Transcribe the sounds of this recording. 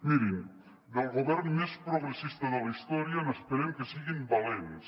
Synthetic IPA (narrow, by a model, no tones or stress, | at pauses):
miɾin | d̪elˠɣoβɛɾnmespɾoɣɾesist̪aðalaist̪oɾjianəspeɾemkesiɣimbalens